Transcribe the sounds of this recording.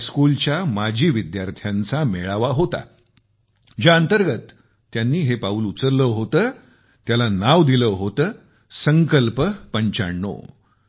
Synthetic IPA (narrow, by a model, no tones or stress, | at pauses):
skult͡ɕjamad͡ʑʱiːʋid̪jaɾt̪ʰjãnt͡sameɭaʋaɦot̪a̰ | d͡ʑaənt̪əɾɡət̪ː | janːiːɦepauːlut͡səɾləɦot̪əː | t̪jalanaʋd̪iləɦot̪əː | səŋkəlpəpəɲt͡ɕa̰ɳːo̰